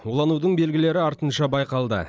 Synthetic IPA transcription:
wolˠɑnud̪əɴbe̞lɡʲɪle̞ɾɪɑɾt̪ənʃɑbɑjqɑlˠd̪ə̰

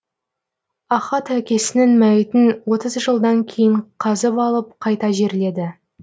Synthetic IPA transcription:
ɑχɑt̪ækʲe̞sɪnɪŋmæjɪt̪ɪnwo̞t̪əzʒəlˠd̪ɑŋkʲʰe̞jɪɴqʰɑzəpɑlˠəp̚qʰɑjt̪ɑʒe̞ɾle̞d̪ɪ

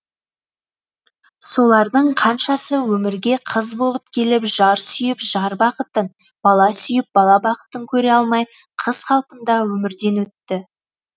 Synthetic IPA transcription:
so̞lˠɑɾd̪əɴqʰɑnʃɑsəwɵmɪɾɡʲe̞qʰəzbolˠəp̚kʲʰe̞lɪpʒɑɾsʏjɪpʒɑɾbɑqət̪ən | b̥ɑlˠɑsʏjɪp̚bɑlˠɑbɑqə̥t̪əŋkʲʰɵɾe̞ɑlˠmɑj | qʰəz̥χɑlˠpənd̪ɑwɵmɪɾd̪e̞nwɵt̪ːɪ

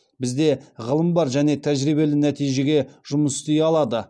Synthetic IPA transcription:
bɪzd̪e̞ʁəlˠəmbɑɾʒæne̞t̪ʰæʒɾijbe̞lɪnæt̪ijʒe̞ɡʲe̞ʒʊməst̪ejɑlˠɑd̪ə

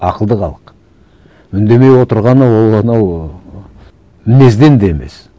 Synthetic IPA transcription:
ɑqəlˠd̪əqʰɑ̰lˠəq | mʏnd̪e̞me̞jwo̞t̪əɾʁɑnəwolˠɑnɑw | mɪne̞zd̪e̞nd̪eeme̞̰s

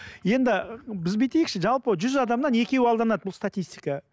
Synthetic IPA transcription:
je̞nd̪ɪbɪzbet̪e̞jɪkʃɪʒɑlˠpəʒʏzɑd̪ɑmnɑne̞kʲe̞wɑlˠd̪ɑnɑd̪bʊlˠst̪at̪ʲijst̪ʲi̥kɑ

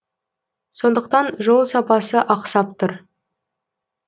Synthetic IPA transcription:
so̞nd̪əq̚t̪ɑnʒo̞lˠsɑpɑsəʔɑqsɑp̚t̪ʰʊɾ

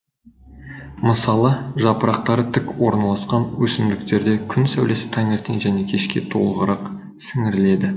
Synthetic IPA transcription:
məsɑlˠəʒɑpəɾɑq̚t̪ɑɾət̪ʰɪkwo̞ɾnɑlˠɑsqɑnwɵsɪmd̪ɪkt̪e̞ɾd̪e̞kʲʰʏnsæ̰wle̞sɪ̥t̪ʰæŋe̞ɾt̪ʰeŋʒæne̞kʲʰe̞ʃkʲe̞̰t̪ʰo̞̰lˠəʁəɾʔɑq | sɪŋɪɾɪle̞d̪ɪ

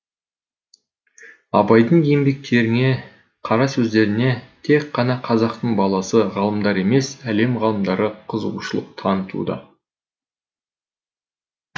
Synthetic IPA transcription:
ɑ̰bɑjd̪əɴjembe̞k̚t̪e̞ɾɪŋe̞ | qʰɑɾɑsɵzd̪e̞ɾɪne̞t̪ʰe̞kʰːɑnɑqʰɑzɑqt̪əɴbɑlˠɑsəʁɑlˠəmd̪ɑɾe̞me̞sæle̞mʁɑlˠəmd̪ɑɾəqʰəzəʁuʃəlˠəq̚t̪ʰɑnət̪ṵd̪ə̰

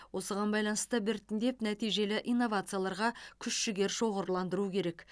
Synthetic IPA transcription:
wo̞səʁɑnbɑjlˠɑnəst̪əbɪɾt̪ɪnd̪e̞pnæt̪ijʒe̞lɪʔijnːo̞vat̪sɨjalˠɑɾʁɑkʲʰʏʃʃɪɡʲe̞ɾʃo̞ʁəɾlˠɑnd̪əɾukʲʰe̞ɾe̞k

